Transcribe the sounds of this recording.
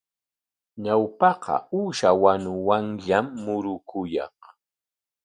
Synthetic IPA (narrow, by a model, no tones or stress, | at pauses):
ɲawpɑqɑ̰uːʃawanʊwaŋʎamːʊɾʊkʰʊjɑ̰χ